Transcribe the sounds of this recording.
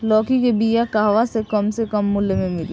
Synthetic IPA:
lɔːkikebijakaɦʋasekɐmsekɐmːʊlːemẽmɪl

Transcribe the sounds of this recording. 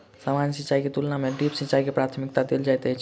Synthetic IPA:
samansit͡ʃaiket̪ulnameɖipsitːt͡ʃaikepɾat̪ʰmik̚t̪ad̪eld͡ʒajt̪əɦt͡ʃʰ

